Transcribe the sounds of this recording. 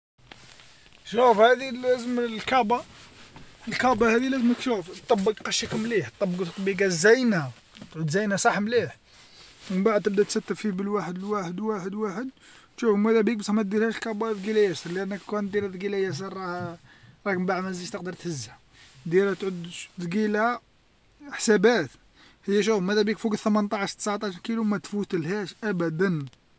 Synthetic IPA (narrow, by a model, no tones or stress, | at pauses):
ʃufhæd̪ilːæzəmlkɑbɑ | əlkɑbɑhæd̪ilæzəməkʃuft̪ˤːɑbːəɡqɑʃækəmːliħt̪ˤːɑbːəɡt̪t̪ˤːbiɡæzæjnæ | t̪ʕʊd̪zæjnæsˤɑħmliħ | mənbaʕd̪t̪ːəb̚d̪æt̪sæt̪ːəɾfibəlwaħəd̪əlwaħəd̪waħəd̪waħəd̪̚ | ʃufmæd̪æbik̚bəsmæt̪̚d̪iɾhæʃlkæbæd̪ɡilæjæsəɾˤliʔænːəkkænt̪d̪iɾæd̪ɡilæjæs̬əɾˤɑ | ɾˤɑkmbaʕd̪mæziʃt̪əqd̪əɾt̪həzːhæ | d̪jæɾhæt̪ʕʊd̪ːɡilæ | ħsæbæt̪ | həjːæʃ̬ufmæd̪æbikfuɡət̪əmənt̪ˤɑʕʃt̪ːə̥sʕt̪ˤɑʃkilumæt̪fut̪əlhæʃʔæbæd̪æn